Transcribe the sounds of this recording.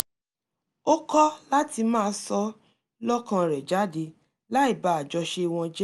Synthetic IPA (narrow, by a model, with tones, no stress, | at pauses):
o˦kɔ˦la˦ti˧mãː˦˧sɔ˧˦ | lɔ˦kã˧ɾɛ˨d͡ʒa˨˦de˧ | la˦i˦˨ba˨˦a˨d͡ʒɔ˧ʃe˧i˧w̃ɔ̃˧d͡ʒɛ˦